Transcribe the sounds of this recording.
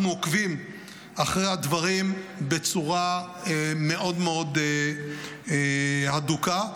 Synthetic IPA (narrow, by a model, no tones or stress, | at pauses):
mokvim | aχʁejhad̪vaʁimbe̞t͡suʁa | eme̞ʔo̞dmeo̞d̪ | haduka